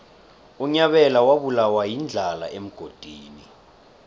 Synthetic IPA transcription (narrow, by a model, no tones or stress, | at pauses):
uɲaɓɛlawaɓulawajind͡ɮʱala̰ʔem̩ɡ̥ʱod̥ʱiːni